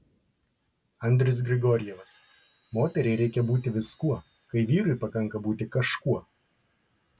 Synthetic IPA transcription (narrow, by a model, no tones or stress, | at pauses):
ɐnʲd̪ʲɾʲʊs̬ɡɾʲɪɡoːɾʲɪjɛʋɐs | moːt̪ʲɛɾʲɛɪɾʲɛɪkʲɛbuːt̪ʲɪʋʲɪskuɔ | kɐɪʋʲiːɾʊɪpɐkɐŋˑkɐbuːt̪ʲɪkɐʃkuɔ